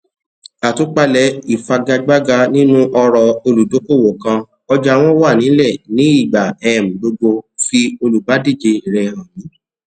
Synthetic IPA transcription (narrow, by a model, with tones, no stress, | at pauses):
a˨to˨˦k͡pa˧lɛ˨˦i˨fa˧ɡa˧ɡ͡ba˦ɡa˧nĩ˦nũ˦ʔɔ˧ɾɔ˧o˧lu˨do˨˦ko˦˨wo˨kã˧ | ɔ˧d͡ʒa˧w̃ɔ̃˦wa˦˨nĩ˨˦lɛ˦˨nĩ˨˦i˦˨ɡ͡ba˨ɛ˧˨m̩˨bo˧ɡ͡bo˧fi˧o˧lu˨ba˨˦di˦˨d͡ʒe˧i˨ɾɛ˧hã˨jĩ˨˦